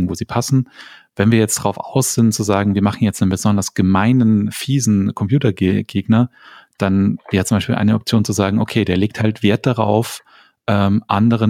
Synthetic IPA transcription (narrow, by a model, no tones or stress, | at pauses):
ŋ̩voːziːpʰasn̩vɛnviːɐjɛt͡std̥ʁaʊfʔa̰ʊsz̥ɪnt͡suzaːɡŋ̩viːɐmaχn̩jɛt͡snənbəzɔndɐsɡ̥əmaɪnənfiːzn̩kʰɔmpj̥uːtɐɡɡ̥eːɡnɐd̥anveːʁət͡sʊmbaɪʃpiːlʔa̰ɪnəɔp̚t͡sjoːnt͡suzaːɡŋ̩ʔokʰeːdeːɐleːk̚thaltv̥eːɐt̚d̥aʁaʊf | ʔɛːmʔandəʁ̞ə